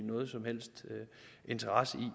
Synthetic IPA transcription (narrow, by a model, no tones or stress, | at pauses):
nɔ̽ːð̞̩ˠsɒ̽mhel̰sd̥ʔe̝nt͡sʰɐʁasəi